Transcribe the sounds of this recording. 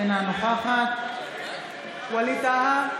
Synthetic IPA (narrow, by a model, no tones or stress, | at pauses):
enanoxaha | walit̪aha